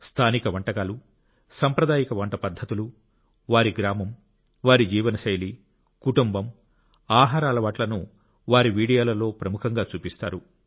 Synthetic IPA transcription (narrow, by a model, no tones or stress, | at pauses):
st̪ʰaːnikɐʋɐɳʈɐkaːlu | sɐmpɾɐd̪aːjɐkɐʋɐɳʈɐpɐd̪ʱːɐt̪ulu | ʋaːɾiɡɾaːmɐm | ʋaːɾid͡ʒiːʋɐnɐʃɐjli | kuʈumbɐm | aːɦaːɾaːlɐʋaːʈlɐnu | ʋaːɾiʋiːɽijoːlɐlo̞ːpɾɐmukʰɐŋɡaːt͡ʃuːpist̪a̰ːɾu